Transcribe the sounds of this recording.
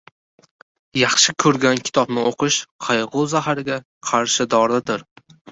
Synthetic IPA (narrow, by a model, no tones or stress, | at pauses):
jɑχʃɪkʰɵɾɡʲankʲʰɪ̥t̪ʰɒbnɪʔoqʰɨʃqʰɑjʁʊzaɦaɾɪɡʲa | qʰɑɾʃɪd̪ɒɾɪd̪ɪɾ